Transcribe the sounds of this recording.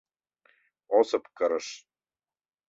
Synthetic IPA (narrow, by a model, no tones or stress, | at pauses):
osɤ̆pkɤɾə̆ʃ